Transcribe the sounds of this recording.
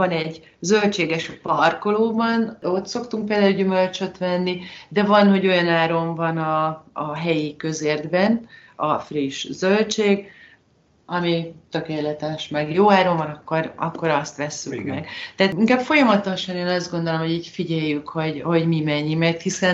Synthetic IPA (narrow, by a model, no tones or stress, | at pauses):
vɒnɛɟ | zø̞lt͡ʃeːɡɛʃpɒrko̞loːbɒno̞t̪so̞kt̪uŋk̚peːld̪aːylɟymø̞lt͡ʃø̞t̪ʋɛnːid̪ɛvɒnho̞ɟo̞jɒnaːɾo̞ɱvɒnɒːɦɛjikø̞zeːrd̪bɛnɒfriʃzølt͡ʃeːɡ | ɒmit̪ø̞keːlɛt̪ɛʃmɛɡjoːaːɾo̞ɱvɒnɒkːo̞ɾɒ̰kːo̞ɾɒst̪ʋɛsːykmɛɡt̪ɛːt̪iŋkaːbfo̞jɒmɒt̪oʃɒneːnɒzd̪̚ɡo̞nd̪olo̞mho̞ɟiːcfiɟɛjːykho̞ɟho̞ɟmimɛɲːimɛrt̪hisɛn